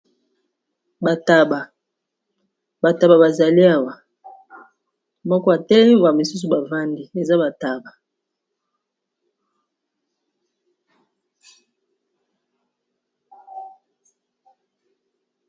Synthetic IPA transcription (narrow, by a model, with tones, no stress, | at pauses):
ba˨ta˨ba˨ | ba˨ta˨ba˨ba˨za˨li˦a˦wa˨ | mɔ˦kɔ˦a˨tɛ˦lɛ˦i˦˨a˨mi˨su˦s̬u˨ba˨va˦ndi˨e˨za˦ba˨ta˨ba˨